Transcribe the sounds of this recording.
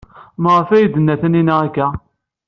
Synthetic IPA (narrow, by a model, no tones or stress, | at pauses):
məʁəfæjəd̪ənːæθæninaækːæ